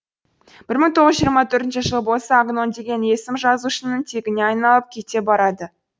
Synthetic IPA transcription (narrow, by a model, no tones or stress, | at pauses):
b̥ɪɾməŋt̪ʰoʁəzʒijəɾmɑt̪ʰɵɾt̪ɪnʃɪʒəlˠəbo̞lˠsɑːɡno̞nd̪e̞ɡʲe̞nje̞sɪmʒɑzuʃənəɴt̪ʰe̞ɡʲɪne̞ɑjnɑlˠəp̚kʲʰe̞t̪e̞bɑɾɑd̪ə